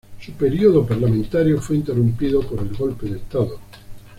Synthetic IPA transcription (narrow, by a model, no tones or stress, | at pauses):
supe̞ɾioðopaɾlamẽnt̪aɾjofweint̪erumpiðopoɾe̞lɣo̞lpeðest̪aðo